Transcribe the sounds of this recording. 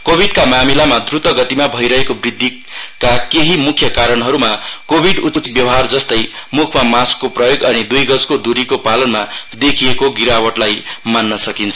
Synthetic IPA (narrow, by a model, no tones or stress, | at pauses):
kobʱiɖkamamilamad̪rut̪wʌɡʌt̪imabʱʌjɾʌɦekobrid̪ʱːi | kakeɦimukʰjʌkaɾʌnɦʌɾumakobʱiɖut͡sbjʌwɦard͡zʌst̪ʌjmukʰmamaskːoprʌjoɡʌnid̪ujɡʌd͡zkod̪uɾikopalʌnmad̪ekʰiekoɡiɾawʌʈlajmanːʌsʌkint͡sʰʌ